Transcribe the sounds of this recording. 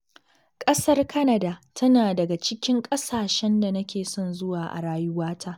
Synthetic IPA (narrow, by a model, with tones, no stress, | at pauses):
kʼɐ˦sɐ˦rkɐ˦nɐ˨da˨tʰɐ˦naː˨dɐ˨ɡa˨t͡ʃɪ˦kʲɪ˦ŋkʼɐ˦saː˨ʃɛ˦nda˨nɐ˦kʲeː˨sɔ˦˨nzʊ˦waː˨ʔa̰˨ɽaː˦jʊ˦waː˦tʰaː˦ʔ